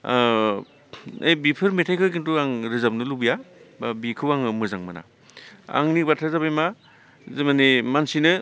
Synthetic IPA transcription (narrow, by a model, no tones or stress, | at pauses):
a̰jbipʰɯɾmetʰajkʰɯkintuaŋɾizap̚nɯlubijababikʰɯwaŋɯmɯzaŋmɯna̰ | a̰ŋnibatʰazabajma | zemanimansinɯ